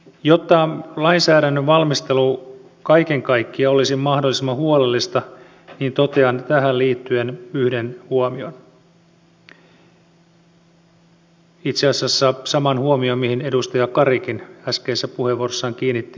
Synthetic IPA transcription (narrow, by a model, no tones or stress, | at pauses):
jo̞t̪ːɑlɑinsæːɾænːøʋʋɑlmist̪e̞lu | kɑike̞ŋkɑjkːiɑo̞lisimmɑhdolːisemːɑhuolelːist̪ɑ | niːnt̪o̞t̪eɑnt̪æɦælliːt̪ːye̞nyhdenhuomio̞n | it̪seɑsɑsːɑsɑmɑnhuomio̞mihine̞dust̪ɑjɑkɑɾikinæskeːsːæpuhe̞ʋuorosːɑŋkiːnːit̪ːi